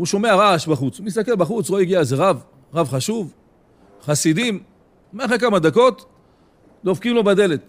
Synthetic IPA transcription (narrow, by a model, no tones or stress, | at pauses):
uʃo̞me̞aʁaʃbaχut͡shumis̬t̪ake̞lbaχut͡sloiɡiazeʁav | ʁavχaʃuv | χasid̪im | meaχʁek̬amad̪ako̞t̪ | lofkimlo̞bad̪e̞le̞t̪